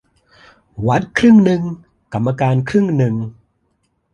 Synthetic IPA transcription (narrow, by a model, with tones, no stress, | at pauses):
wa˦˥t̪̚kʰɾɯ˥˩ŋnɯ˧ŋ | ka˨˩mːaː˧kaː˧nkʰɾɯ˥˩ŋnɯ˨˧ŋ